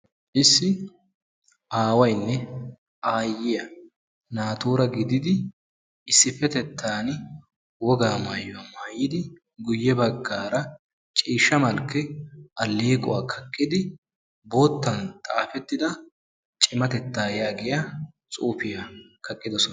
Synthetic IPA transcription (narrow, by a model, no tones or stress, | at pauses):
ʔɪsːɪ | ʔaːwɐjnːɛ | ʔaːjːɪjɐ | naːt̪uːɾɐɡɪd̪ɪd̪ɪ | ɪsːɪfːɛt̪ɛt̪ʰːaːn | wɔɡaːmaːjːʊɐmaːjɪd̪ɪ | ɡʊjːɛbɐɡːaːɾɐ | t͡ʃʼiːʃːɐmɐlkːɛʔɐlːeːkʼʊ̰waːkʰɐkʼːɪd̪ɪ | bo̞ːt̪ːɐnt̪ʼaːfɛt̪ːɪd̪ɐ | t͡ʃʼɪmɐt̪ɛt̪ːaːjaːɡɪja | t͡sʼuːfɪjakʰɐkʼːɪd̪ɔsɔn